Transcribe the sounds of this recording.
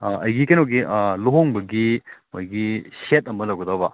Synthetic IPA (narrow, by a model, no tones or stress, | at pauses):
ɐjɡikɐjnoɡiʔloɦoŋbɐɡimojɡiset̚ɐmɐlɐwɡɐd̪ɐbɐ